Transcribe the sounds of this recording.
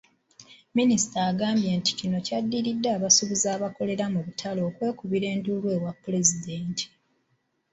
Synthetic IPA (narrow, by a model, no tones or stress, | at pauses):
minisi̥taːɡaːmbje̞ːnti̥cino̞cadːiɾidːaːβasuβizaːβako̞le̞ɾamuβutʰalo̞ːkwe̞ːkuβiɾe̞ːndulwe̞ːwapːule̞zideːntʰi̥